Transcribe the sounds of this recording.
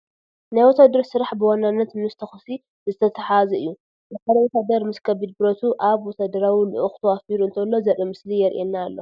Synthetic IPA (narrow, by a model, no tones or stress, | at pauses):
najwɔt̪ʰad̪ɨɾsɨɾaħbɨwanːanːɐt̪mɨst̪ʰɐxɨsi | zɨt̪ʰɐt̪ʰɐħazɐɨ̰jːu | bɐħalɐwot̪ʰad̪ɐɾmɨskʰɐbid̪̚bɨɾot̪ʰuʔaβwɔt̪ʰad̪ɐɾawilɨ̰ʔɨxt̪ʰɐwafiɾuɨnt̪ʰɐlːo̞zɐɾimɨslijɛɾʔenːaːlːo̞